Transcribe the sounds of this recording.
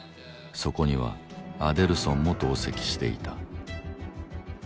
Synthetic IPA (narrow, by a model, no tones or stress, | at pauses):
so̞ko̞ɲ̟iβa̰ad̪e̞ɾɯ̟sõ̞mːo̞t̪o̞ːse̞kʲi̥ɕi̥t̪e̞̰ḭt̪a